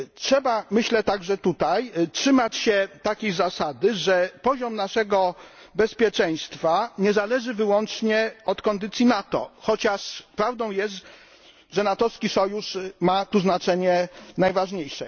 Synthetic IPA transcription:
tʂɛbamɘɕlɛt̪aɡʐɛt̪ut̪ajtʂɘmat͡ɕɕɛt̪akʲejzasad̪ɘʐɛpɔʑɔmnaʂɛɡɔ | bɛspʲjɛt͡ʂɛj̃st̪faɲɛzalɛʐɘvɘwɔnt͡ʂɲɛɔt̪kɔnd̪ɘt̪sʲjinat̪ɔ̰xɔt͡ɕaʂpɾavd̪ɔ̃w̃jɛst̪ | ʐɛnat̪ɔɾskʲisɔjuʂmat̪uznat͡ʂɛɲɛnajvaʐɲejʂɛ̰

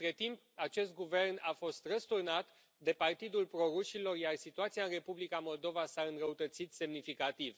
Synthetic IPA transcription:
t̪ɾe̞t̪imp̚ | at͡ʃe̞st̪̚ɡuve̞rnafo̞st̪rəst̪urnat̪ | d̪e̞part̪id̪ulpɾo̞ɾuʃilo̞rjarsit̪uat̪siaɨnre̞publikamo̞ld̪o̞vasaɨnɾəut̪ət̪sit̪se̞mnifikat̪iv

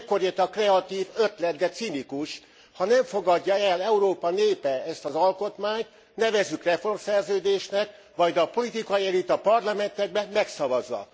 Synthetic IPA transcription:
kːo̞ɾet̪ɒkrɛɒt̪iːvø̞t̪lɛd̪ɡɛt̪sinikuʃ | hɒnɛɱfo̞ɡɒɟːɒɛlːɛuɾoːpɒneːpɛɛst̪ɒzɒlko̞t̪maːɲt̪ | nɛvɛzːykrɛfo̞rmsɛrzøːd̪eːʃnɛk | ʋɒjd̪ɒpo̞lit̪ikɒelit̪ɒpɒrlɒmɛnt̪ɛɡ̚bɛmɛksɒvɒzːɒ̰

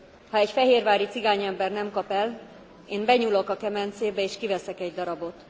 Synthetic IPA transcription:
hɒɛcfɛɦeːrvaːɾit̪siɡaːɲɛmbɛrnɛmkɒpɛl | eːmbɛɲulo̞kɒkɛmɛnt̪seːbɛeːʃkivɛsɛkɛɟd̪ɒɾɒbo̞t̪

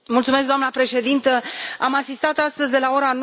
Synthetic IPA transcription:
mult̪sumeskd̪oamnəpɾe̞ʃe̞d̪int̪əamasist̪at̪ast̪əzʲd̪e̞lao̞ɾan

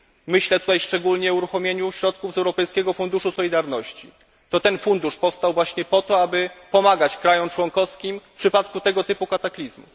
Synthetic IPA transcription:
mɘɕlɛt̪ut̪ajʂt͡ʂɛɡulɲɛuɾuxɔmʲjeɲuɕɾɔt̪kuvzɛwɾɔpɛjskʲɛɡɔfund̪uʂusɔlʲid̪aɾnɔɕt͡ɕḭ | t̪ɔt̪ɛnfund̪uʂpɔfst̪awvwaɕɲɛpɔt̪ɔabɘpɔmaɡat͡ɕkɾajɔmt͡ʂwɔŋkɔfskʲimfpʂɘpat̪kut̪ɛɡɔt̪ɘpukat̪aklʲizmṵ

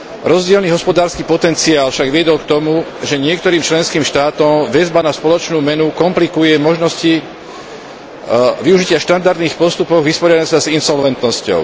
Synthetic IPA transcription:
ɾɔzɟɪɛlniːɦɔspɔd̪aːɾskiːpɔt̪ɛnt͡siaːlfʃaɡʋɪɛd̪ɔlkt̪ɔmuʒɛɲɪɛkt̪ɔɾiːmt͡ʃlɛnskiːmʃt̪aːt̪ɔmʋɛzbanaspɔlɔt͡ʃnuːmɛnukɔmplikujɛmɔʒnɔsci | ʋiuʒicɪaʃt̪and̪aɾd̪niːxpɔst̪upɔɣʋispɔɾɪad̪asazinsɔlʋɛnt̪nɔscɔ̰ʊ

